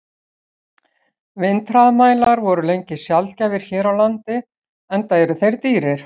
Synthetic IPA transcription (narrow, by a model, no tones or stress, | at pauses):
vɪnt̪ɾaðmaːjlaɾvɔɾʏlejɲcɪsjalcavɪɾ̥çɛːɾawlant̪ɪ | ɛnt̪aɛɾʏθejɾt̪iːɾɪɾ̥